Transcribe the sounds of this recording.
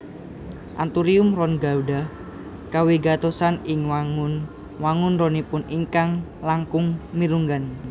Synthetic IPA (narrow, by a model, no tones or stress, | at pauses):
ʔant̪uɾiʊmrɔnɡauɖah | kawiɡat̪osanɪŋwaŋʊn | waŋʊnɾonipʊniŋkaŋlaŋkʊŋmiɾuŋɡan